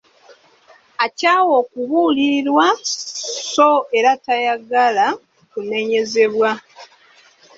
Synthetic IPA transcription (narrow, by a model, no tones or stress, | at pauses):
acaːwo̞ːkuβuliɾwa | so̞e̞ɾatajaɡala | kune̞ɲe̞ze̞βwa